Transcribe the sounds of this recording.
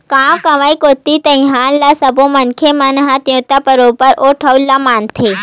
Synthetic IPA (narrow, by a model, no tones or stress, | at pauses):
kãːwkɐ̃ʋaːikot̪ːit̪ɐ̃ĩɦãːnlasɐbõmɐnkʰemɐnɦãt̪jõːt̪apəɾoːpəɾʔoːʈʰəulːamaːnt̪ʰeː